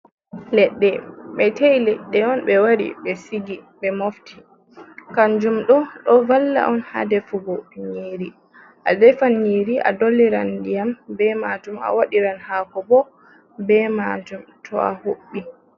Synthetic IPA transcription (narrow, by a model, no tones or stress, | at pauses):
lɛɗːɛɓɛtajlɛɗːɛɔnɓɛwaɾḭɓɛsiɡiɓɛmoftʰi | kand͡ʒumɗɔɗɔvalːa̰ʔɔnha̰dɛfubɔɲiːɾi | ʔa̰dɛfanɲiːɾiʔa̰dolːiɾandijambɛmaːd͡ʒuma̰waɗiɾanhaːkɔbɔ | bɛmad͡ʒumtʰɔa̰hoɓːi